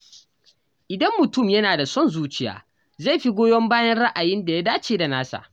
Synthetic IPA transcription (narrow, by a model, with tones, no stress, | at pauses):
ʔɪ˨dɐ˦mːʊ˨tʊ˦˨mjɐ˦naː˨da˨sɔ˦˨nzuː˦t͡ʃɪ˦ja̰ː˨ | za˦˨ɸi˦ɡʷoː˦jɔ˦mbaː˦jɐ˦nɽa˦ʔa˨jɪ˦nda˨ja˦daː˦t͡ʃeː˦da˨naː˦sa̰˨